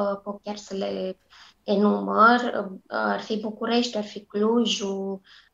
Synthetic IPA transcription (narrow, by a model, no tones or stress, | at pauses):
pokaɾsəle | enuməɾaɾfibukuɾeʃt̪aɾfikluʒu